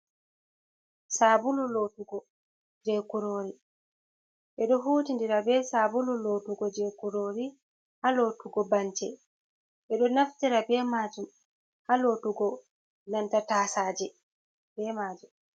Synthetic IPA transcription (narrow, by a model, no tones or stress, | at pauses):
saːbululoːtuɡɔ | d͡ʒɛkuɾoːɾi | ʔɛɗɔɦuːtindiɾabɛsaːbululoːtuɡɔd͡ʒɛkuɾoːɾi | haloːtuɡɔbant͡ʃɛ | ʔɛɗɔnaftiɾabɛmaːd͡ʒum | haloːtuɡɔ | nantataːsaːd͡ʒɛ | bɛmaːd͡ʒum